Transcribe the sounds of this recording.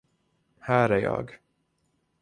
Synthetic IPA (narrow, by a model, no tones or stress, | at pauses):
hæːɾæɾjɑ̰ːɡ